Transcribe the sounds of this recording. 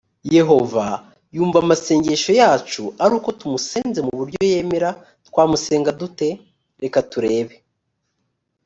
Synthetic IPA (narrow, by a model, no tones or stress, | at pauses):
je̞ɦo̞va | juːɱvamase̞ːɲɟe̞ʃo̞jaːt͡ʃuaɾuːko̞tumuseːnze̞muβuɾɟo̞je̞ːmeɾa | twaːmuse̞ːŋɡadute̞ | ɾe̞katuɾe̞ːβe̞